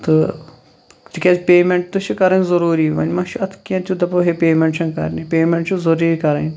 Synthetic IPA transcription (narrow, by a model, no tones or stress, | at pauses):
t̪ɨ | t̪ikʲat͡spʲeːmeɳʈ̚t̪uʃikɐɾɐnʲzɐɾuːɾiːʋɐ̰nʲmɐʃʰiɐt̪ʰkʲãt̪ʲud̪ɐpoɦepʲeːmeɳʈt͡ʃʰɐŋkɐ̰ɾnipʲeːmeɳʈt͡ʃʰuzɐɾiːkɐɾɐnʲ